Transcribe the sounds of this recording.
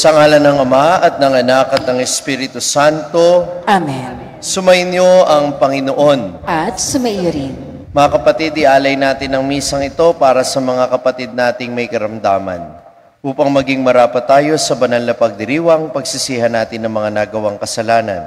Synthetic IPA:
sɐŋaːlɐnɐŋɐmaʔɐt̪̚nɐŋɐnakɐt̪̚ɐŋɛspiːɾɪt̪usant̪o̞ʔamɛn | sʊmɐjnjo̞ʔɐŋpɐŋɪno̞ʔo̞nʔɐt̪̚sʊmɐjoɾin | mɐŋakɐpɐt̪id̪ɪʔaːlɐjnaːt̪ɪnɐŋmiːsɐŋɪt̪o̞paːɾɐsɐmɐŋakɐpɐt̪id̪̚naːt̪ɪŋmɐjkɐɾɐmd̪aːmɐ̰n | ʔuːpɐŋmɐɡiŋmɐɾaːpɐt̪aːjo̞sɐbɐnɐlnɐpɐɡ̚d̪ɪɾiːwɐŋpɐɡsɪsiːhɐnːaːt̪ɪnɐŋmɐŋanaɡɐwaŋkɐsɐlaːnɐ̰n

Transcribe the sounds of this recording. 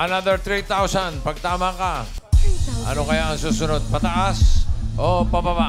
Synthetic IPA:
ʔɐnad̪ɛɹt̪ɾit̪awsanpɐɡ̚t̪aːmaka | ʔɐ̰nokɐjaʔɐŋsuːsʊno̞d̪̚pɐt̪ɐʔasʔopɐbaba

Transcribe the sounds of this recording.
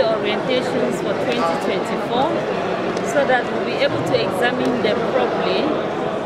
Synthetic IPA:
ɔɹiɛ̃ntʰeʃɔ̃nsfɔtʰwɛ̃ntitʰwɛ̃ntʰifɔ | soðatwilbiebɔltʰuɛɡzamĩndɛmpʰɹɔpəli

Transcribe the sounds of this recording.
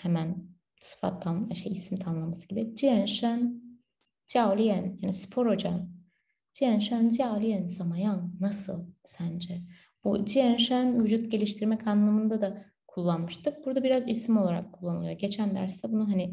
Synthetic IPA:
hemæn | sɯ̥fa̰t̪ʰːanʃejisimt̪ʰanlˠamasɯ̥ɟ̥ibid͡ʒiɛnʃæn | d͡ʒialʲijɛnjaːnispʰo̞ɾo̞d͡ʒa̰n | d͡ʒiɛnʃænd͡ʒijalʲijɛnsamajanːasɯ̰lˠsænd͡ʒɛ | b̥ṵd͡ʒiɛnʃænvyd͡ʒut̪̚ɟe̞lʲiʃt̪ʰiɾmɛkʰanlˠamɯnd̪ad̪a | kʰulˠːanmɯʃt̪ʰɯk̚b̥uɾd̪abiɾazisimolˠaɾa̰kʰːulˠːanɯlˠujoɟe̞t͡ʃʰænd̪æ̰ɾst̪ɛbunuɦanɪ

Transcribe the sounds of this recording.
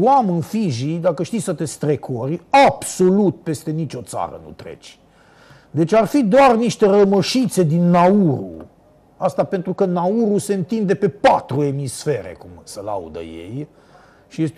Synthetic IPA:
wamɨnfiʒid̪akəʃt̪isət̪e̞st̪ɾe̞kʰo̞ɾʲab̥so̞lut̪̚pe̞st̪e̞nit͡ʃo̞t̪sa̰ɾə̰nṵt̪ɾḛt͡ʃʲ | d̪e̞t͡ʃʲarfid̪oarniʃt̪e̞ɾəməʃit̪se̞d̪inːauɾṵ | ast̪ape̞nt̪ɾukənauɾuse̞ɨnt̪ind̪e̞pe̞pat̪ɾue̞misfe̞ɾḛkumsəla̰ṵd̪ə̰je̞̰j | ʃie

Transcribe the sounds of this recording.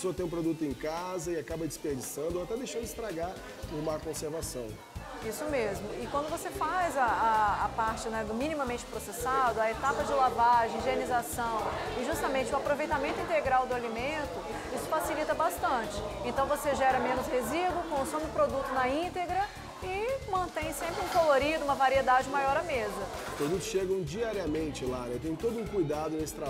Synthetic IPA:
esoɐt̪ẽj̃ũpɾod̪ut̪ʊẽkazɐɪakabɐd͡ʒispeɾd͡ʒisɐ̃nd̪ʊoat̪ɛd̪ejʃɐ̃d̪ʊist̪ɾaɡa | pʊɾmakõseɾvasɐ̰̃w̃ | isʊmezmʊɪkwɐ̃nd̪ʊvosefajzɐːpaɾt͡ʃɪnɛmĩnimɐmẽnt͡ʃɪ̥pɾosesad̪ʊɐet̪apɐd͡ʒɪlavaʒẽĩʒenizasɐ̃w̃ | ɪʒust̪ɐmẽt͡ʃɪʊ̃apɾovejt̪amẽnt̪ʊĩnt̪eɡɾawd̪ʊalimẽnt̪ʊ | isʊ̥fasilit̪ɐbast̪ɐ̃t͡ʃɪ̥ẽnt̪ɐ̃w̃voseʒɛɾɐmẽnʊshezid̪uʊkõsõmɪʊpɾod̪ut̪ʊnɐĩt̪eɡɾɐ | ɪmɐ̃nt̪ẽj̃sẽmpɾɪũkoloɾid̪ʊũmɐvaɾied̪ad͡ʒɪũmajɔɾɐmezɐ | pɾod̪ut̪ʊ̥sʃeɡɐ̃w̃d͡ʒiaɾiɐmẽnt͡ʃɪlanɛt̪ẽjʊ̃t̪od̪ʊũkujd̪ad̪ʊnesɪ̥t̪ɾa

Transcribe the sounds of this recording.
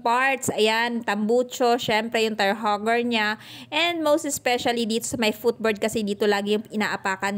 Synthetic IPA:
paɹt̪sʔɐjant̪ɐmbut͡ʃoʃɛmpɾɛjʊŋt̪ɐɹɦoɡɛɹɲaʔɛnd̪̚mowst̪ɛspɛʃɐlid̪iːt̪osɐmɐjfut̪̚bɛɹd̪̚kɐsɛd̪iːt̪olaːɡɪjʊŋʔɪna̰ːʔɐpaːkɐn

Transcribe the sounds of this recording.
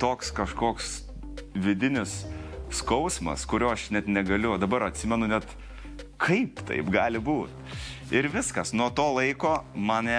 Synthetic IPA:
t̪oːkskɐʃkoːks | ʋʲɪd̪ʲɪnʲɪsskɐʊsmɐ̰skʊɾʲoːɐʃnʲɛt̪nʲɛɡɐlʲʊd̪ɐbɐɾɐt̪ʲsʲɪmʲɛnʊnʲɛt̪ | kʰɐɪpt̪ɐ̰ɪpɡɑːlʲɪbuːt̪ | ɪɾʋʲɪskɐsnuɔt̪oːlˠɐɪkoːmɑnɛ

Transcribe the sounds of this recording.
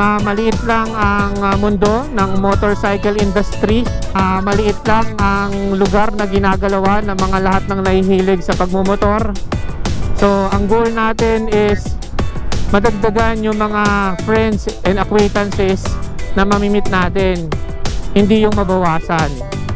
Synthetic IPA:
amɐlɪʔɪt̪laŋɐŋmʊnd̪o̞nɐŋmot̪oɹsajkɛlɪnd̪ɐst̪ɾiʔamɐlɪʔɪt̪laŋɐŋlʊɡaɾnɐɡɪnaːɡɐlɐwanɐŋmɐŋalɐhat̪̚nɐŋnɐhiɦiːlɪɡsɐpɐɡ̚momot̪o̞ɾ | so̞ʔɐŋɡowlnaːt̪ɛnɛs | mɐd̪ɐɡ̚d̪ɐɡanjʊŋmɐŋafɾɛnd̪sʔɛnd̪ɐkwɛjt̪ɐnsɛsnɐmɐmimɪt̪̚naːt̪ɛnhɪnd̪ijʊŋmɐbɐwaːsɐn

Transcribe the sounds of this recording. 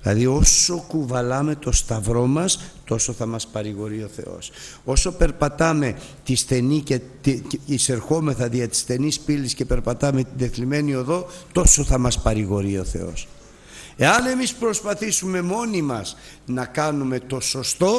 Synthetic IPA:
ilɐ̰ðio̞so̞kuvɐlɐme̞t̪o̞st̪ɐvɾo̞mɐst̪o̞so̞θɐmɐspɐɾiɣo̞ɾio̞θe̞̰o̞̰so̞so̞pe̞ɾpɐt̪ɐme̞ | t̪isθe̞nicet̪iise̞ɾxo̞me̞θɐðiɐt̪i̥sθe̞nispilisce̞pe̞ɾpɐt̪ɐme̞t̪ind̪e̞θlime̞nio̞ðo̞t̪o̞so̞θɐmɐspɐɾiɣo̞ɾio̞θe̞̰o̞̰s | e̞ɐne̞mispɾo̞spɐθisume̞mo̞nimɐz | nɐkɐnume̞t̪o̞so̞st̪o̞

